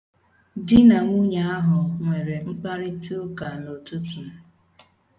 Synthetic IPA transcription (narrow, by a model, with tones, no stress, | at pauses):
dɪ˦na˨ŋʷu˦ɲa˦a˦ɦʊ˨ŋʷe˨ɾe˨ŋ͡m̩˦k͡pa˦ɾɪ˦tu˦ka˨no˨tu˦tu˨˦